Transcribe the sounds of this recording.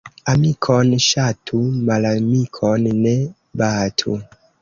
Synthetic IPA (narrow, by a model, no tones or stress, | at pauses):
amikʰɔnʃatʰumalamikʰɔnnɛ | baːtʰu